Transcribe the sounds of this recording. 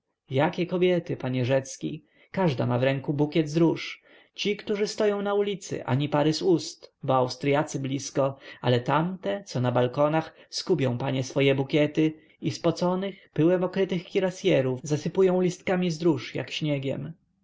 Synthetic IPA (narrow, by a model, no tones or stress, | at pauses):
jakʲɛkɔbʲjɛt̪ɘpaɲɛʐɛt̪skʲḭ | kaʐd̪a̰mavɾɛŋkubukʲɛd̪zɾuʂ | t͡ɕikt̪uʐɘst̪ɔjɔ̃w̃naulʲit̪sɘ̰ʔa̰ɲipaɾɘzust̪bɔawst̪ɾjat̪sɘblʲiskɔa̰lɛt̪amt̪ɛt̪sɔnabalkɔnaxskupʲɔ̃w̃paɲɛsfɔjɛbukʲɛt̪ɘ | ispɔt̪sɔnɘxpɘwɛmɔkɾɘt̪ɘxkʲiɾasʲjɛɾufzasɘpujɔ̃w̃lʲist̪kamʲizd̪ɾuʂja̰kɕɲɛɡʲɛ̰m